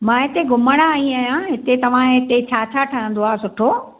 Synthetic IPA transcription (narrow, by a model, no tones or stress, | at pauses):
mãːɦɪt̪eɡʊməɽ̃aːĩaːjãɦɪt̪et̪ɐʋ̤ãɦɪt̪et͡ɕʰaːt͡ɕʰaːʈʰaɦə̃nd̪oaːsʊʈʰoː